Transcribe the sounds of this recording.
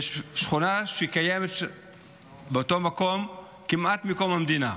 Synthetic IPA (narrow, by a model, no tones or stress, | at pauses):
jeʃʃχunaʃeikajemet̪ | beot̪o̞mako̞m | kimʔat̪mikomhamd̪ina